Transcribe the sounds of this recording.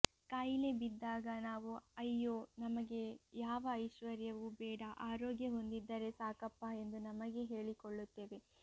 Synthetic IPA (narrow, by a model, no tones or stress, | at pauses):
kaːjle̞bid̪ːaːɡɐnaːʋuɐjːoːnɐmɐɡe̞jaːʋɐːjʃʋɐɾjɐʋubɛːɽɐʔaːɾoːɡjɐɦo̞nd̪id̪ːɐɾe̞saːkɐpːae̞nd̪unɐmɐɡe̞ɦe̞ːɭikoɭːut̪ːe̞ːʋe̞